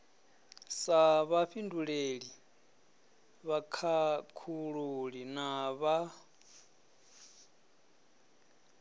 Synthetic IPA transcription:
saβaɸindʱuɺeɺi | βakʰakʰuɺuɺinaβa

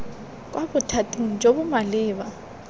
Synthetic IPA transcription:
k̬ʼwabʊtʰatʼiŋ̩d͡ʒobʊmalɪːβa

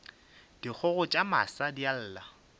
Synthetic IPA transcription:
d̥ik͡xʰɔɣʊt͡ʃʼama̰sadjal̩ːla

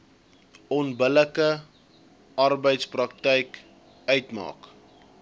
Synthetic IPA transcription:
ɔnbələkə | ɐrbəjtsprɐk̚tɛjk | œɥtmɑ̰ːk

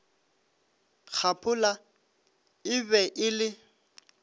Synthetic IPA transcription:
k͡xʰapʰʊla | ɪbɛʔɪlɪ

